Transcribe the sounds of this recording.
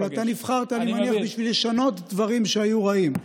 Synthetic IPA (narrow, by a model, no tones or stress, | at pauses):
at̪anivχaʁt̪alimaniaχbiʃvileʃanot̪d̪vaʁimʃeajuʁaim